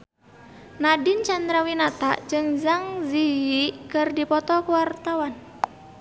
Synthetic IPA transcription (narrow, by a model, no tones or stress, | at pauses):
nadint͡ʃand̪ɾawinat̪ad͡ʒɨŋzaŋzijikɨrdipɔt̪ɔkuwart̪awan